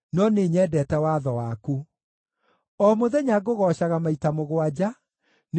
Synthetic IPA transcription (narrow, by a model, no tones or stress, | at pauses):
nɔneːɲɛːdɛtɛwaðɔwaku | ɔmoðɛɲaɡoɣɔːɕaɣamaitamoɣwad͡ʑa | n